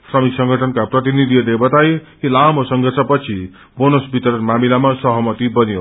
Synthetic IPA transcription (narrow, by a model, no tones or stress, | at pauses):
srʌmiksʌŋɡʱʌʈʰʌnkaprʌt̪inid̪ʱilebʌt̪ajɦilamosʌŋɡʱʌrt͡sʰʌpʌt͡sʰi | bonosbit̪ʌɾʌnmamilamasʌɦʌmʌt̪ibʌnijo